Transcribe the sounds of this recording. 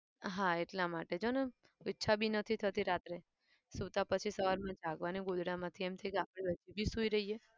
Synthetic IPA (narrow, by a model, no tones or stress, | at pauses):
ɦãeʈlamaʈed͡ʒonə | itːʃʰabʱinət̪ʰit̪ʰət̪iɾat̪ɾe | sut̪ãpət͡ʃʰisəʋaɾmãd͡ʒaɡʋaniɡod̪ɽamãt̪ʰiemt̪ʰəijkeapɽ̃eəd͡ʒʰibʱisuiɾəɦije